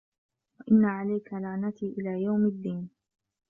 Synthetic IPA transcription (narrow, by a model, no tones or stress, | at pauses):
waʔɪnːaʕalajkalaʕnat̪iːʔɪlaːjawmad̪ːiːn